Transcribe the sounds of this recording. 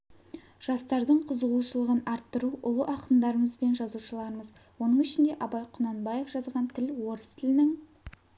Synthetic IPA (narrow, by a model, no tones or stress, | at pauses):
ʒ̥ɑst̪ɑɾd̪əɴqʰəzəʁuʃəlˠəʁənɑɾt̪ːəɾuʔʊlˠəʔɑqənd̪ɑɾəməzbe̞nʒɑzuʃəlˠɑɾəməz | wo̞nəɴɪʃɪnd̪e̞ʔɑbɑjqʰʊnɑnbɑje̞fʒ̥ɑzʁɑnt̪ʰɪlwo̞ɾəst̪ʰɪlɪnɪŋ